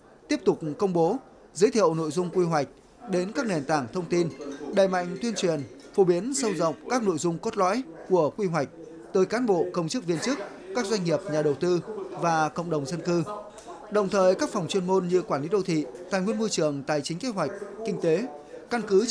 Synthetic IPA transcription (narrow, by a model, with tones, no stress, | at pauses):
t̪i˦˥əp̚t̪ʊ˨˩k͡p̚kə˧wŋ͡mɓo˨˦ | zɨː˨˦jt̪ʰḭ˧˨ə˨wno̰˧˨jzʊ˧ŋ͡mkwi˧ɦwa˨˩jk̟̚ | ɗe˨˦nkaː˦˥k̚ne˨˩nt̪aː˧˩ŋt̪ʰə˧wŋ͡mt̪i˧nɗaː˨˩jma̰˧˨jŋ̟t̪wi˧ənt͡ɕwi˨˩ənfo˧˩ɓi˨˦ənsə˧wzə̰˧˨wŋ͡mkaː˦˥k̚no̰˧˨jzʊ˧ŋ͡mko˦˥t̚lɔ̰˧˥jku˧˩əkwi˧ɦwa˨˩jk̟̚ | t̪əː˨˦jkaː˨˦nɓo̰˧˨kə˧wŋ͡mt͡ɕɨ˦˥k̚vi˧ənt͡ɕɨ˦˥k̚ | kaː˦˥k̚zwa˧ŋ̟ŋi˨˩əp̚ɲaː˨˩ɗə˨˩wt̪ɨ˧vaː˨˩kə̰˧˨wŋ͡mɗə˨˩wŋ͡mzə˧nkɨ˧ | ɗə˨˩wŋ͡mt̪ʰəː˨˩jkaː˦˥k̚fa˨˩wŋ͡mt͡ɕwi˧ənmo˧nɲɨ˧kwaː˧˩li˨˦ɗə˧wt̪ʰḭ˧˨t̪a̰ː˧˨jŋwi˧ənmo˧jt͡ɕɨ˨˩əŋt̪aː˨˩jt͡ɕï˨˦ŋ̟ke˧ɦwa˨˩jk̟̚kï˧ŋ̟t̪e˨˦ka˧nkɨ˨˦